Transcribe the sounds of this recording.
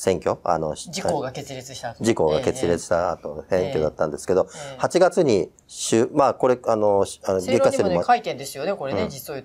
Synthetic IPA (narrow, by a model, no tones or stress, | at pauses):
sẽ̞ŋkʲo̞a̰no̞d͡ʑiɡaeɾet͡sad͡ʑiko̞ɡake̞t͡sɨɾʲet͡sɨ̥i̥t̪aat̪osẽ̞ŋkʲo̞d̪at̪ːãnd̪e̞sɨ̥ke̞d̪o̞hat͡ɕiɡat͡sɨɲ̟i | ɕɨmako̞ɾe̞ano̞ɕanoɡekːaɕt̪eɾimoait̪ẽnd̪esɨjonekoɾẽiso